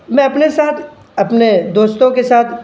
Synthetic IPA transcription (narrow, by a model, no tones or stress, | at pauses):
mɛ̃ɐpnesaːt̪ʰ | ɐpned̪oːst̪õkesaːt̪ʰ